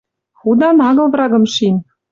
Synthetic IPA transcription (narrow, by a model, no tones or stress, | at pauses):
xud̪ɑnɑɣɤ̆lvɾɑɣɤ̆mʃin